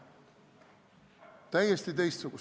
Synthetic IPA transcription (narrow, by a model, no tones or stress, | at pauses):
t̪æjːest̪it̪ejst̪suku